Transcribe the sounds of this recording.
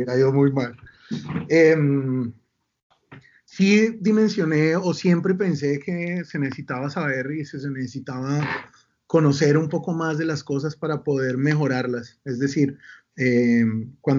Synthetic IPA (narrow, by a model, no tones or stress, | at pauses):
aomujmal | em | sid̪imẽ̞nsjo̞ne̞osje̞mpɾe̞p̬e̞nse̞ke̞se̞nesesit̪aβasaβe̞ɾises̬enesesit̪aβa | ko̞no̞se̞ɾumpo̞ko̞mazd̪e̞lasko̞s̬aspaɾapo̞ðe̞ɾme̞xo̞ɾaɾlase̞zd̪e̞siɾ | emkwan